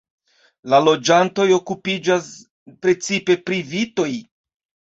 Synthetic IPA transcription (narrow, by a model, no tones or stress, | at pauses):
lalo̞d͡ʒanto̞jo̞kupid͡ʒas | pɾe̞t͡sipe̞pɾivito̞j